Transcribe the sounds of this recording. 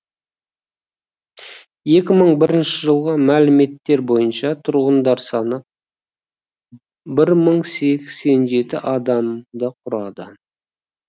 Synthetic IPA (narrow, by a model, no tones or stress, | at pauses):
je̞kʲɪməɴbɪɾɪnʃɪʒəlˠʁəmælɪme̞t̪ːe̞ɾbo̞jənʃɑt̪ʰʊɾʁənd̪ɑɾsɑnəp̚ | bɪɾməɴse̞kʲse̞nʒe̞t̪ɪʔɑd̪ɑmd̪əqʰʊɾɑd̪ə